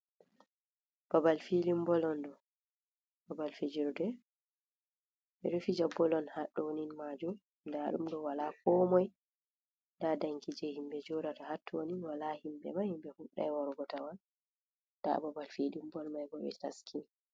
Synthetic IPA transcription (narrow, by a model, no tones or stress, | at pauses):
b̥abalfilimbɔlɔndɔ | babalfed͡ʒiɾɔdɛ | ɓɛɾufid͡ʒabːɔlɔnhaɗːɔwninmad͡ʒum | ndaɗṵmdɔwalakɔmɔj | dadaŋkid͡ʒɛhimbɛd͡ʒɔɾatahatʰːɔwoninwalahimbɛ̰mahimbɛhuɗːa̰jwɔɾɡɔtawan | da̰babalfilimbɔlmajɡɔɓɛ̰ta̰skʰin